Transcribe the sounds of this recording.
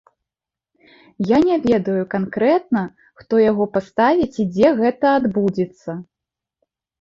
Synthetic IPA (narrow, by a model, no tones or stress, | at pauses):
janʲɛvʲɛd̪ɐjukankɾɛt̪̚nɐ | xt̪ɔjaɣɔpast̪avʲit͡sʲid͡zʲɛɣɛt̪ɐad̪bud͡zʲɛt̪sːɐ